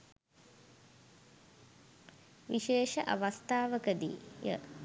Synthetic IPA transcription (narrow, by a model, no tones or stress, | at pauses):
ʋiʃeːʃəʔa̰ʋast̪aːʋəkəd̪ḭːjə̰